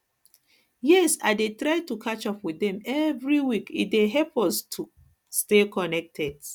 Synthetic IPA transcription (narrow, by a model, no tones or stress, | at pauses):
jɛsa̰ɪdetɹaɪtukʰat͡ʃɔpwiθɛ̃mɛvɹiwikḭt̚deɦɛpɔstʰu | stekɔnɛk̚tʰɛd